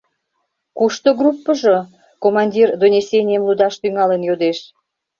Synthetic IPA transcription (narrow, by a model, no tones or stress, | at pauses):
kuʃt̪oɡrupːəʒo | komɑnʲdʲird̪onʲesʲenʲijəmlud̪ɑʃt̪yŋɑlenjod̪eʃ